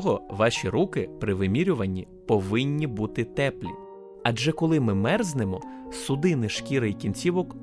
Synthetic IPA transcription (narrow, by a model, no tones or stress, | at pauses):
ɔɦɔʋɑʃʲiɾukɪpɾɪʋɪmʲiɾʲʊʋɐnʲːi | pɔʋɪnʲːibut̪ɪt̪ɛplʲḭ | ɐd͡ʒɛkɔlˠɪmɪmɛrznemɔ | sʊd̪ɪnɪʃkʲiɾɪjkʲinʲt͡sʲiʋɔk